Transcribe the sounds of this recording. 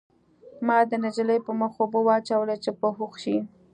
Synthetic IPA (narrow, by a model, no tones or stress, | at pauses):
mɑd̪ənad͡ʒələjpəməxobowɑt͡ʃawəlat͡ʃepəɦuxʃi